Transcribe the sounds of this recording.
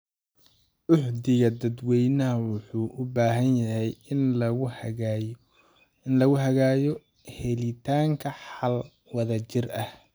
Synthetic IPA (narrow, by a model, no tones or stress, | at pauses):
ʔʊħd̪ɪɣɐd̪ɐd̪wɛjnɐɦɐwʊħuːʔʊbaːɦɐnjɐhɛj | ɪnlɐɣʊɦɐɣaːjɔ | hɛlɪt̪ʰaːŋkʰɐħɑl | wɐðɐt͡ʃɪrɐh